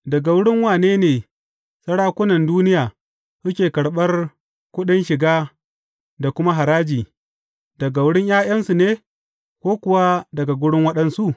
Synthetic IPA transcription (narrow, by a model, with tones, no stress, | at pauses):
dɐ˨ɡa˨wʊ˦ɽɪ˦ŋwaː˨neː˦neː˨ | sɐ˦ɽaː˦kʷʊ˦nɐ˨nduː˦nɪ˦jaː˨ | sʊ˦kʲeː˨kɐ˨ɽɓɐ˦r | kʷʊ˦ɗɪ˦nʃɪ˨ɡaː˦ | da˨kʷʊ˦ma˦ɦa˨ɾaː˦d͡ʒiː˨ | d̥ɐ˨ɡa˨wʊ˦ɽɪ˦ɲjaː˦j̰ɐ˦nsu˨neː˦ | kʷoː˦kʷʊ˨wa˦dɐ˨ɡa˨ɡʷʊ˦ɽɪ˦ŋwɐ˦ɗɐ˨nsu˦˨ʔ